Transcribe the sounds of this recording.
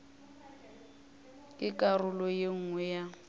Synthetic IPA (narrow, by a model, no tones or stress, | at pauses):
kʼɪkʼarʊlɔjeŋ̩ɛja